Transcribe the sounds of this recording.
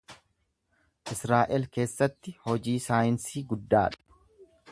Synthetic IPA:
ʔɪsɾaːʔɛlke̞ːsːɐt̪ːɪhɔd͡ʒiːsaːjɪnsiːɡʊd̪ːaːᶑɐ̥ɐ̥

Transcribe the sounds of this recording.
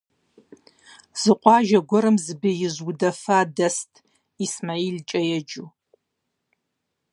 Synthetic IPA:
z̥ɨqʷʼɑːʒɐɡʷɔɾɨmzɨbijɪzwʊdɐfaːdɐstʰʼ | ismailt͡ʃʼɐjɛd͡ʒu

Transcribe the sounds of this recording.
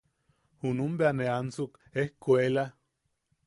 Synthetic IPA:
hunumbeaneansuk | ehkuela

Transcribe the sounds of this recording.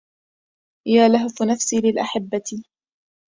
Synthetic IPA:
jaːlaɦʊfnafsiːlɪlʔaħɪbːat̪ɪ

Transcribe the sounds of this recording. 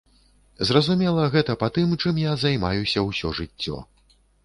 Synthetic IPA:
zrɐzumʲɛlˠɐɣɛt̪ɐpat̪ɨmt͡ʂɨmjazajmajusʲɐwsʲɔʐɨt͡sʲːɔ̰

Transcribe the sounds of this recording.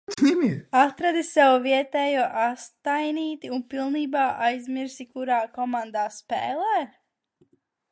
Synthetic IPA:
snʲimiat̪ɾad̪isɛwviɛt̪ɛːjuʔast̪ajniːt̪iunpilˠniːbaːʔajzmiɾsikuɾaːkɔmand̪aːspɛːlˠɛː

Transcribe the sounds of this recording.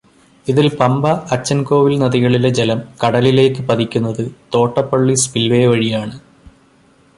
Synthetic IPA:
iðilpɐmbɐʔɐt͡ɕːɐnko̞ːʋilnɐðiɣɐɭile̞d͡ʑelɐmkɐɽɐlile̞ːkːɨpɐd̪ikʲːunːɐðɨt̪o̞ːʈːɐpːɐɭːispilʋeːʋɐɻijaːɳɨ

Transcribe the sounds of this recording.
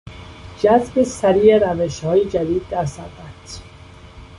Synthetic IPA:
d͡ʒæzbesæɾiːeɾæveʃhɒːjed͡ʒæd̪iːd̪ːæɾsæɾd̪æt̪

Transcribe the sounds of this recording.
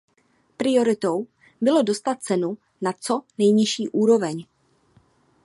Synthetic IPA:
pɾɪjo̞ɾɪt̪o̞w | bɪlo̞do̞st̪at̪̚t͡sɛnu | nat͡so̞nɛjɲɪʃiːʔuːɾo̞vɛɲ

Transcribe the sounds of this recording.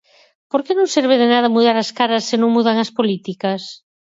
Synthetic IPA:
poɾkenõŋseɾβ̞eðenað̞ɐmuðaɾɐskaɾɐsːenõŋmuðaŋɐspolit̪ikɐs

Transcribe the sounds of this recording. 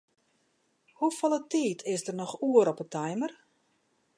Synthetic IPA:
hufɔlˠətiːtʰɪsdərnɔxuəɾɔpətʰɛjmər

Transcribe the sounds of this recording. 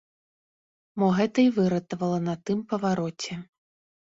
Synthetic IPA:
mɔɣɛt̪ɐivɨɾɐt̪ɐvɐlˠɐnɐt̪ɨmpɐvaɾɔt͡sʲɛ

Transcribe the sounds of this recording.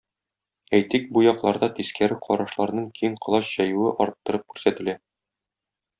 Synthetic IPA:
æjt̪ik̚bujɒqlˠɑɾd̪ɑt̪iskæɾɘqʰɒɾɑʃlˠɑɾnɤɴkijɘɴqɤ̆lˠɑɕʑ̥æjʉwɘʔɒɾɤt̪ːɤ̆ɾɤp̚kʉɾsæt̪ɘ̆læ

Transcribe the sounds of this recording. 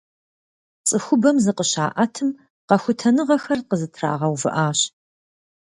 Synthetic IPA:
t͡sʼɨxʷʊbɐmzɨqəɕa̰ːʔɐtʰɨm | qɐxʷʊtʰɐnɨʁɐxɐrqəzɨtʰra̰ːʁɐwvɨ̰ʔaːɕ

